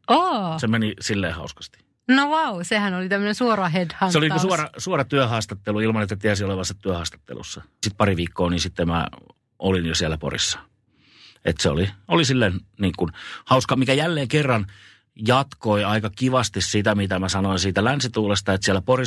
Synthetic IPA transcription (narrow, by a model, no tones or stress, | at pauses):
oːsemenisilːeːhɑuskɑ̥st̪i̥ | noʋɑusehænolit̪æmːənẽnsuorɑhedhɑnseolinikusuɑrɑsuɑɾɑt̪yøhɑːst̪ɑt̪ːeluilmɑnet̪ːæt̪iæsioleʋɑsːɑt̪yøhɑːst̪ɑ̥t̪ːḛlṵsːɑsit̪̚pɑriʋiːkːoːninsit̪ːemmæ̰ | ʔolinjosiælæpo̰rḭsːɑ̥ | ḛt̪seo̰liolisilːenniːŋkunhɑuskɑmikæjælːeːŋkerːɑn | jɑt̪koiɑikɑkiʋɑst̪issit̪æmit̪æmæsɑnoinsiːt̪ælænsit̪uːlest̪ɑet̪siælæpori